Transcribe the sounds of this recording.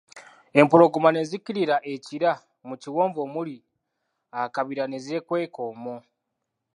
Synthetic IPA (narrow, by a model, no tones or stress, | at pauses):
e̞mpuɾo̞ɡumane̞ziciɾiɾaʔeciɾa | muciwoːmbo̞muli | akaβiɾaneze̞kwe̞ːkomu